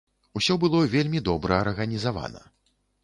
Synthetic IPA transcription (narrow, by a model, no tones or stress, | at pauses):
usʲɔbɨlˠɔvʲelʲmʲid̪ɔbɾɐɐrɣɐnʲizava̰nɐ̰